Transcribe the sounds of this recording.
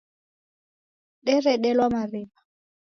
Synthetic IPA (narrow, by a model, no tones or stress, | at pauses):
ɗɪrɛɗɛlwamarɪːba